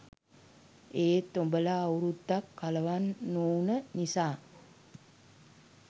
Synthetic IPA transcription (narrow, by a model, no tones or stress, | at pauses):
eːt̪ombələːwɾud̪ːakːaləʋanːoːnənisaː